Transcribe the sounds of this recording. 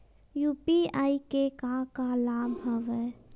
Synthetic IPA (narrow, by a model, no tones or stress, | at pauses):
jupiaikekãkalabɦəʋɛ